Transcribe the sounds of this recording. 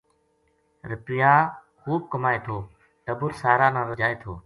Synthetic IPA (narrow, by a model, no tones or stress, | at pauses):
ɾɪpɪjaː | xuːb̚kəmaːeːt̪ʰoː | ʈəbʊɾsaːɾaːnãːɾəd͡ʒaːeːt̪ʰoː